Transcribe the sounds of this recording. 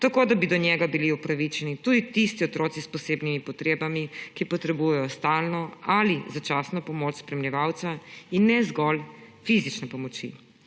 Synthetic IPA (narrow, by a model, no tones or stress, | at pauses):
t̪akod̪abid̪ɔnjɛɡabiliupɾaʋit͡ʃɛnit̪uːd̪it̪ist̪iɔt̪ɾoːt̪sispɔseːbnimipɔt̪ɾeːbamikipɔt̪ɾɛbujɛjɔst̪aːlnɔalizat͡ʃaːsnɔpɔmoːt͡ʃspɾɛmljɛʋaːwt̪sainːɛzɡɔlfizit͡ʃnɛpɔmɔt͡ʃḭ